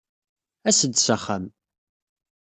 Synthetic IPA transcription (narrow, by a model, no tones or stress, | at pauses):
æsəd̪saχːam